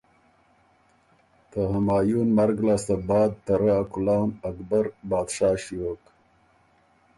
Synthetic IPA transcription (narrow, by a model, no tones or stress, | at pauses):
t̪əɦamɑːjunmaɾɡlɑːst̪abɑːd̪̚t̪aɾaːkulawnakbaɾbɑːd̪ʂɑːʃijoːk